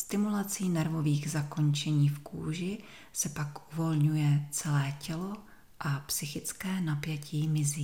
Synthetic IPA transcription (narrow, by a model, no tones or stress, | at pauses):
st̪ɪmulat͡siːnɛɾvo̞viːɣzako̞nt͡ʃɛɲiːfkṵːʒɪ | sɛpakʔuvo̞lɲujɛt͡sɛlɛːcɛlo̞ | ʔapsɪxɪt͡skɛːnapjɛciːmɪziː